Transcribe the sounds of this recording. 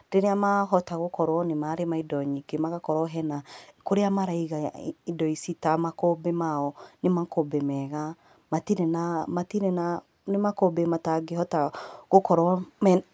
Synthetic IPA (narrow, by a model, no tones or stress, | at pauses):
d̥eɾeamaɦɔtaɣokɔɾwɔnemaɾemaidɔɲikemaɣakɔɾɔɦɛnakoɾeamaɾaiɣaidɔisitamakobɛmaɔnemakobɛmɛɣa | matinɛnamatinɛna | nemakobemataɡehɔtaɣokɔɾɔmɛ